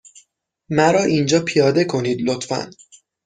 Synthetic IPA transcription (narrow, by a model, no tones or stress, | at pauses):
mæɾɒːʔind͡ʒɒːpʰijɒːd̪e̞kʰoniːd̪lot̪fæ̰n